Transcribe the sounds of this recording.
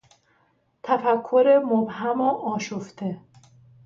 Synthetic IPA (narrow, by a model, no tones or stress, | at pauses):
t̪ʰæfækʰːoɾemobɦæmoʔɒːʃoft̪ʰe